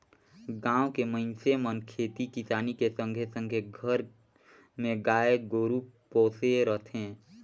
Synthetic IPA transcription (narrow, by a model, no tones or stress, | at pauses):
ɡãːwkeməɪnsemənkʰeːt̪ikisaːnikesə̃ŋɡʱesə̃ŋɡʱeɡʱəɾ | mẽɡaːeɡoːɾupoːseɾət̪ʰẽː